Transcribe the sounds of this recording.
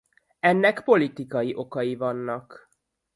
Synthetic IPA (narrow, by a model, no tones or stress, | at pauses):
ɛnːɛkpo̞lit̪ikɒjiʔo̞kɒjivɒnːɒk